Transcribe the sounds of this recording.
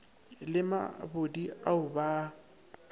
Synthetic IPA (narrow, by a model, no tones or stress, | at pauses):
lɪma̰bodiʔaʊba